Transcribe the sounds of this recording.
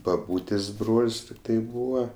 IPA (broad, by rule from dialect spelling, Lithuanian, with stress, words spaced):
bɐˈbuːtʲeːsʲ ˈbroːlʲsʲ ˈtʲɪktɐɪ ˈbuːʋɐ